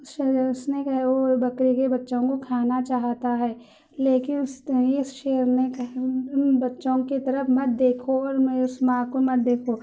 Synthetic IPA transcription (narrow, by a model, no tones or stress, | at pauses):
ʊsʃɛʊsnekɐɦɛʋobɐkɾikebɐtːʃõkokʰaːnat͡ʃaːɦt̪aɦɛː | leːkɪnʊseʊsʃɛːəɾnekɐɦnbɐtːʃõkit̪ɐɾəfmɐt̪̚d̪eːkʰoɔːɾʊsmãːkomɐt̪̚d̪eːkʰo